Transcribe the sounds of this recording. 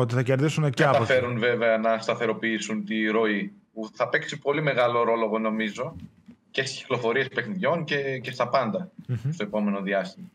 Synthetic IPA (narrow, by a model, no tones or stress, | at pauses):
ot̪iθɐceɾðisunɐɐt̪ɐfe̞ɾunve̞ve̞ɐnɐst̪ɐθe̞ɾo̞piisunt̪iɾo̞ipuθɐpe̞ksipo̞lime̞ɣɐlo̞ɾo̞lo̞ɣo̞no̞mizo̞ | ce̞st̪i̥sci̥klo̞fo̞ɾiespe̞xniðʝo̞ncece̞st̪ɐpɐnd̪ɐst̪o̞e̞po̞me̞no̞ðiɐst̪imɐ